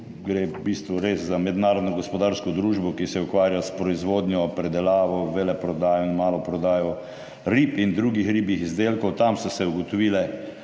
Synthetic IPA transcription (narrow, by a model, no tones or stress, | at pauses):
ɡɾeːbiːst̪ʋɔɾeːszamɛd̪naːɾɔd̪nɔɡɔspɔd̪aːɾskɔd̪ɾuːʒbɔkisɛukʋaːɾjaspɾɔizʋoːd̪nʲjɔpɾɛd̪ɛlaːʋɔʋelɛpɾɔd̪aːjɔinmaːlɔpɾɔd̪aːjɔ | ɾiːpind̪ɾuɡixɾiːbixizd̪eːlkɔwt̪amsɔsɛuɡɔt̪ɔʋilɛ